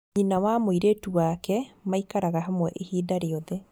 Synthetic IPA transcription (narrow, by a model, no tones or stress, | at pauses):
ɲinawamoiɾetuwakɛmaikaɾaɣaɦamwɛʔehiːdaɾeɔðɛ